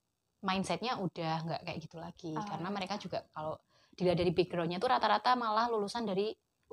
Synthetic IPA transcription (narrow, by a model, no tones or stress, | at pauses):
mainsɛt̪̚ɲaud̥ahŋɡaʔkajaʔɡ̥it̪ulaɡ̥ikaɾənaməɾekad͡ʒuɡ̥aʔkalo | d̥iladaɾibiɡɾɔɲat̪uɾat̪aɾat̪amalahlulusandaɾi